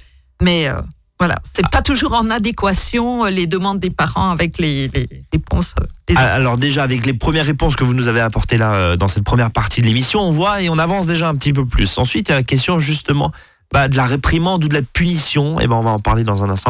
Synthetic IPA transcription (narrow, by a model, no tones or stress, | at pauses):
mɛø̰ | vwala̰sɛpat̪uʒuʁɑ̃nad̪ekwasjɔ̃øled̪əmɑ̃d̪̚ːepaʁɑ̰̃avɛkleleʁepɔ̰̃sø̰d̪̥ea̰lɔʁd̪eʒaːvɛklepχəmjɛʁːepɔ̃skəvunuzaveapɔʁt̪elaød̪ɑ̃sɛt̪̚pχəmjɛʁpaʁt̪id̪əlemisjɔ̃ɔ̃vwaeɔ̃navɑ̃sd̪eʒaɛ̃p̬ət̪ip̬øplysɑ̃sɥit̪jalakʲɛs̬t̪jɔ̃ʒyst̪əmɑ̰̃ | bad̪əlaʁepχimɑ̃d̪ud̪əlapynisjɔ̃ḛbaɔ̃vaɑ̃pa̰ʁled̪ɑ̃zɛ̃nɛ̃st̪ɑ̃